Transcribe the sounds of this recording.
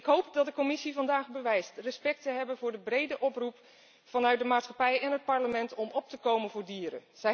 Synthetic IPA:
ɪkɦowpdɑt̚dəkɔmɪsivɑndaːχbəʋɛjstrəspɛk̚təɦɛbənvʊːɹdəbrejdəʔɔprup | fɑnœɥt̚dəmaːtsχɑpɛjɛnɦət̚pɑɹləmɛntɔmɔp̚təkowmənvʊːɹdiːɾə̰nz̥ɛ

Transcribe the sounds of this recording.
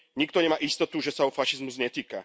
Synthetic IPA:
ɲikt̪ɔɲɛmaːʔist̪ɔt̪uʒɛsaɔfaʃizmuzɲɛt̪iːka

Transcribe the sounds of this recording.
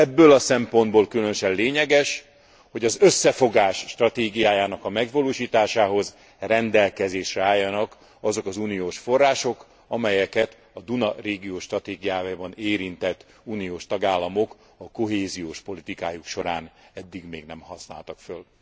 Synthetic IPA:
ɛbːølɒsɛmpo̞nd̪boːlkylønøʃɛnleːɲɛɡɛʃ | ho̞ɟɒzøsːɛfo̞ɡaːʃːt̪rɒt̪eːɡijaːjaːnɒkɒmɛɡvɒloːʃiːt̪aːʃaːɦo̞z | rɛnd̪ɛlkɛzeːʃrɛaːjːɒnɒk | ɒzo̞kɒzuːnijoːʃfo̞rːaːʃo̞k | ɒmɛjɛkɛt̪ | ɒd̪unɒreːɡijoːʃt̪rɒt̪eːɡijaːbɒneːɾint̪ɛt̪ː | uːnijoːʃt̪ɒɡaːlːɒmok | ɒko̞ɦeːzijoːʃpo̞lit̪ikaːjukʃo̞ɾaːnɛd̪ːiɡmeːɡnɛmhɒsna̰ːlt̪ɒkføl

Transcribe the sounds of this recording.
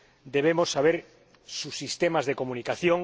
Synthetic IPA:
d̪eβ̞emosːaβ̞eɾ | susːist̪emazðekomũnikaθjoŋ

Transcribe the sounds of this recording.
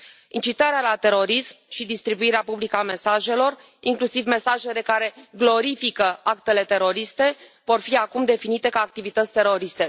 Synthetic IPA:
int͡ʃit̪aɾealat̪e̞ɾo̞ɾismʃid̪ist̪ɾibuiɾeapublikəame̞saʒe̞lo̞r | iŋklusivme̞saʒe̞le̞kaɾe̞ɡlo̞ɾifikəakt̪e̞le̞t̪e̞ɾo̞ɾist̪e̞vo̞rfiakumd̪e̞finit̪e̞kaːk̚t̪ivit̪ət̪sʲt̪e̞ɾo̞ɾist̪e̞

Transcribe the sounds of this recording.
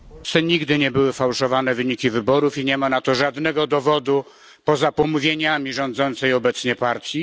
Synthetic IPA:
sɛɲiɡd̪ɘɲɛbɘwɘfawʂɔvanɛvɘɲikʲivɘbɔɾufiɲɛmanat̪ɔʐad̪nɛɡɔd̪ɔvɔd̪u | pɔzapɔmuvʲjeɲamʲiʐɔ̃nd̪zɔnt̪sɛjɔbɛt̪sɲɛpaɾt̪ʲji

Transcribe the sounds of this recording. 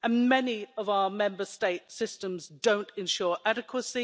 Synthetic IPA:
ə̃nmɛniəvaʊəmɛ̃mbəsteɪtsɪstə̃mzdə̃ʊ̃ntʰɪ̃nʃɔːɹʔædɪkʰwəsi

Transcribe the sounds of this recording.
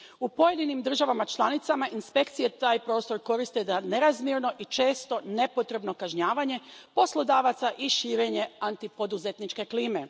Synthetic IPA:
upo̞je̞d̪inimd̪r̩ʒaʋamat͡ʃlˠanit̪samaʔinspe̞kt̪sije̞t̪aːjpɾo̞ːst̪o̞ɾko̞ɾist̪e̞d̪aneɾazmjeɾno̞ʔit͡ʃe̞ːst̪o̞ne̞po̞t̪ɾe̞bno̞kaʒɲaːʋaɲe̞po̞slˠo̞d̪aːʋat̪saʔiʃiːɾe̞ɲe̞ant̪ipo̞d̪uze̞t̪nit͡ʃke̞kliːme̞

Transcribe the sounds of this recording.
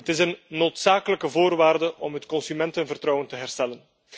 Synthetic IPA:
ətɪsənːoːtsaːkələkəvoːrʋaːrdəʔɔmɦətkɔnsymɛntənvərtrɔwəntəɦɛrstɛlən

